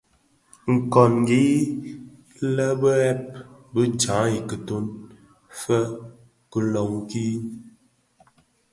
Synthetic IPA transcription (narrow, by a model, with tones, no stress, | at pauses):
ŋ̩˨kɔ˨nŋ˨ɡi˦ | lə˦bə˦ɛ˦p̚bə˦t͡ʃã˨˦i˨kə˨to˦n | fə˦ | kə˨lɔ˨ŋ˨ki˦